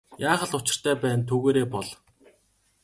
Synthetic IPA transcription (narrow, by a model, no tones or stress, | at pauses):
jaːχə̆ɮʊt͡ɕɪ̥̆r̥t̪ʰæːpæːnt̪ʰuɣeːɾeːpɔɮ